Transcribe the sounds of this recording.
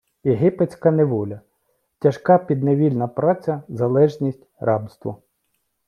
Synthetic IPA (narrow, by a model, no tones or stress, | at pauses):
jeɦɪpet͡sʲkɐneʋɔlʲɐ | tʲɐʃkɑpʲid̪̚neʋʲilʲnɐpɾɑt͡sʲɐzɐlˠɛʒnʲisʲtʲrʔɑbst̪ʋɔ̰